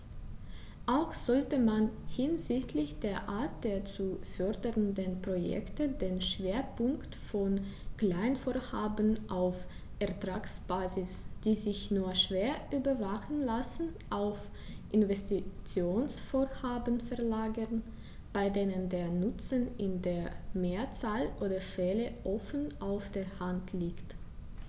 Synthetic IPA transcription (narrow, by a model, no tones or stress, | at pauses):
ʔaʊxz̥ɔltəmanhɪnzɪçtʰlɪçd̥eːɐʔaːɐt̚d̥eːɐt͡sufœɐdəʁəndənpʁ̥ojɛ̰ktədeːnʃv̥eːɐpʊŋktfɔnklaɪnfoːɐhaːbən̩ʔaʊfʔɛɐtʁ̥aːksb̥aːzɪsd̥iːzɪçnuːɐʃv̥eːɐʔyːbɐvaχn̩lasn̩ʔaʊf | ʔɪnvɛstit͡sjoːnsfoːɐhaːbənfɛɐlaːɡəʁn | b̥aɪdeːnəndeːɐnʊt͡sənɪndeːɐmeːɐt͡saːlʔoːdɐfɛləʔɔfən̩ʔaʊfd̥eːɐhantʰliːkt